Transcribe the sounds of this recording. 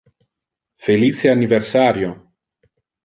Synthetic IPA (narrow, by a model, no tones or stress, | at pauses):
felit͡ʃeanːiversaːɾjo